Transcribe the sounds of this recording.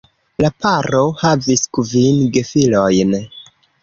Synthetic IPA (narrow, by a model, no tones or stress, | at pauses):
lapaɾo̞haviskuvinɡefilo̞jn